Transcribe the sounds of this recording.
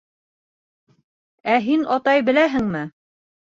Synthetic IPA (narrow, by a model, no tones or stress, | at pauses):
æɦinʔɑt̪ɑjbɘ̆læɦɘ̆ŋmɘ